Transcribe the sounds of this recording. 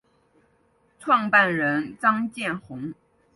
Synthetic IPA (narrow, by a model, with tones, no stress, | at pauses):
ʈ͡ʂʰwɑ˥˧ŋpa˥˩nɻə˧˥nt͡sɑ˥ŋt͡ɕjɛ˥˩nxʊ˧˥ŋ